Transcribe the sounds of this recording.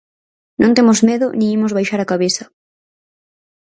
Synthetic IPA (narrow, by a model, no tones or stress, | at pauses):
nʔõnt̪emʊzmeðʊnẽŋimʊzβajʃaɾakaβeθɐ